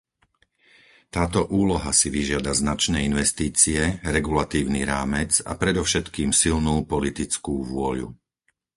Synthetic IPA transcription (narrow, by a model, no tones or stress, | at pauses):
t̪aːt̪ɔʔuːlɔɦasiʋiʒɪad̪aznat͡ʃnɛːinʋɛst̪iːt͡siɛɾɛɡulat̪iːʊnḭɾaːmɛd͡za̰pɾɛd̪ɔʊʃɛt̪kiːmsilnuːpɔlit̪it͡skuːʋʊɔʎṵ